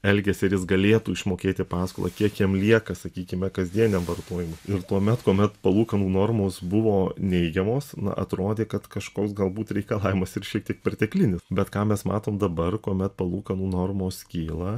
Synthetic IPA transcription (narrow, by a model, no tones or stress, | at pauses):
ɛlʲɡʲɛsʲɪɐɾjɪsɡɐlʲeːt̪uːɪʃmoːkʲeːt̪ʲɪpɑːsko̰ːlˠɐ̰kʲiɛkjiɛmlʲiɛkɐsɐkʲiːkʲɪmʲɛkɐzʲd̪ʲiɛnʲɛmʋɐrt̪oːjɪmʊɪrt̪uɔmʲɛt̪kuɔmʲɛt̪pɐlˠuːkɐnuːnoːrmoːsbʊʋoːnʲɛɪɡʲɛmoːsnɐ̰ʔɐ̰t̪ɾoːd̪ʲeːkɐt̪kɐʃkoːksɡɐlˠbuːt̪ɾʲɛɪkɐlˠɑːʋʲɪmɐsɪɾʃʲiɛk̚t̪ʲiɛk̚pʲɛrʲt̪ʲɛklʲɪnʲɪsbʲɛt̪kɑːmʲɛsmɑ̰ːt̪oːmd̪ɐbɐrkuɔmʲɛt̪̚pɐlˠuːkɐnuːnoːrmoːskʲiːlˠɐ